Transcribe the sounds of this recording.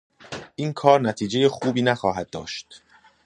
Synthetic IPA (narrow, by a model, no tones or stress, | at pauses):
ʔiːnkʰɒːɾnæt̪ʰiːd͡ʒe̞jexuːbiːnæxɒːɦæd̪̚ːɒ̰ːʃt̪